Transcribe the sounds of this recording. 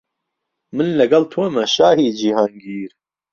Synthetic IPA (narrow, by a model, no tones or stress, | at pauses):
mɨnlɐɡɐlt̪ʰuɐmɐʃaːhiːd͡ʒiːhaːŋɡiːɾ